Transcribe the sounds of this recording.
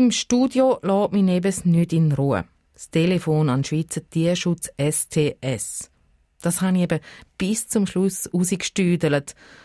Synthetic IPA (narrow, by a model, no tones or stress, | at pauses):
imʃtuːdjolɔːtminɛbəsnytinɾuːə̰ | stelefoːnanʃʋiːt͡sətiːɐʃʊt͡sɛstʰeːʔɛs | d̥ashaniɛbəb̥ɪst͡sʊmʃlususəkʃtyːdələt